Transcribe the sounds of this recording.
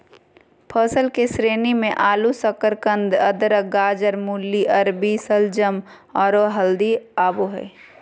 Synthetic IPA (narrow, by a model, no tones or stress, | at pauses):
pʰəsəlkesɾeːnimẽʔaːlusəkəɾkə̃nd̪ɐd̪ɾəɡaːd͡ʒəɾmuːlːiʔɐɾbisəld͡ʒəm | ɔːɾoɦɐld̪iaːboɦɛ̰ː